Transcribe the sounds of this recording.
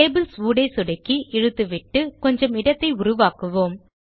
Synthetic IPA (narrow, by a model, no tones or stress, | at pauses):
eːbɪlsuːɽɐɪsɔɽɐkːiʔɛɻɯt̪ːɯʋɪʈːɯkɔɲd͡ʒɐmɪɽɐt̪ːɐɪʊrʊʋaːkɯʋoːm